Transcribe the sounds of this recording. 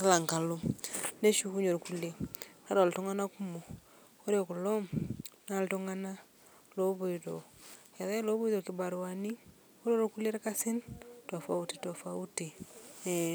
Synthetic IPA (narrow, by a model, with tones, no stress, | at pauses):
ki˦la˨ŋka˨lo˦ne˦ʃu˦ku˦ɲo˨ɾku˦le˦ka˦ɾo˨ltɔ˦ŋa˦na˦ku˦mo˨ | o˦ɾe˨ku˨lɔ˦mn˦a˨ltɔ˦ŋa˦na˦ | lo˦βo˨ido̰˨ka˨ða˦lo˦βo˦i˦do˨ki˨ba˨ɾwa˨ni˦ | o˦ɾo˦ɾku˦le˦ɾka˦si˦ntɔ˨fa˦u˦ti˨tɔ˨fa˦u˦ti˨˦